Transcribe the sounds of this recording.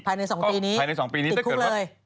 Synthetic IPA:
pʰaː˧jna˧jsɔː˩˦ŋpiː˧niː˦˥a˧jna˧jsɔː˩˦ŋpiː˧ni˦˥t̪ːkʰːŋləː˧j

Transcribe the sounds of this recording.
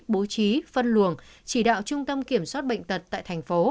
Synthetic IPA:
ɓo˨˦t͡ɕi˨˦fə˧nlu˧˨˩əŋt͡ɕi˧˩ɗa̰ː˧˨wt͡ɕʊ˧ŋ͡mt̪ə˧mki˧˩əmswaː˦˥t̚ɓə̰˧˨jŋ̟t̪ə˨˩t̚t̪a̰ː˧˨jt̪ʰa˨˩jŋ̟fo˨˦

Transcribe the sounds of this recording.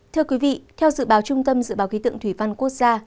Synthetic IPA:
t̪ʰɨ˧əkwi˨˦vḭ˧˨t̪ʰɛ˧wzɨ̰˧˨ɓaː˨˦wt͡ɕʊ˧ŋ͡mt̪ə˧mzɨ̰˧˨ɓaː˨˦wki˨˦t̪ɨ̰˧˨ŋt̪wi˧˩va˧nku˦˥ək̚zaː˧

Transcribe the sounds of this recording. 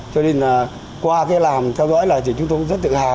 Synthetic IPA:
t͡ɕɔ˧ɗe˧naː˨˩ | kwaː˧kaː˨˦jlaː˨˩mt̪ʰɛ˧wzɔ̰˧˥jlaː˨˩t̪i˨˩t͡ɕʊ˨˦ŋ͡mt̪o˧˦ŋ͡mzə˦˥t̚t̪ɨ̰˧˨haː˨˩

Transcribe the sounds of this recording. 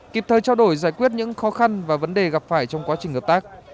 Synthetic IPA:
ki˨˩p̚t̪ʰəː˨˩jt͡ɕaː˧wɗo˧˩jzaː˧˩jkwi˦˥ət̚ɲɨ̰˧˥ŋxɔ˨˦xa˧nvaː˨˩və˨˦nɗe˨˩ɣa˨˩p̚faː˧˩jt͡ɕɔ˧wŋ͡mkwaː˨˦t͡ɕï˨˩hə˨˩p̚t̪aː˦˥k̚

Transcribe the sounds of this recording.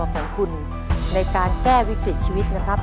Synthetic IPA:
kʰɔː˩˦ŋkʰu˧nː | a˧jkaː˧nkɛː˥˩wi˦˥kɾi˨˩t̪̚t͡ɕʰiː˧wi˦˥t̪̚na˦˥kʰɾa˦˥p̚

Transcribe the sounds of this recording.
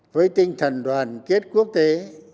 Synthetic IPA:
vəː˨˦jt̪i˧ŋ̟t̪ʰə˨˩nɗwaː˨˩nke˦˥t̚ku˦˥ək̚t̪e˨˦

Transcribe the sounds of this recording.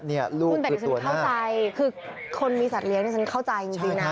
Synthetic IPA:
ni˥˩ɐlu˥˩ku˧nt̪ːt͡ɕʰau˥˧ɐkna˥˩˥wt͡ɕa˧jkʰɯː˧ | kʰo˧nmiː˧sa˨˩t̪̚li˧˦˥ŋni˥˩t͡ɕʰa˦˥nkʰa˥˩wt͡ɕa˧jʔi˧ŋt͡ɕi˧ŋna˦˥

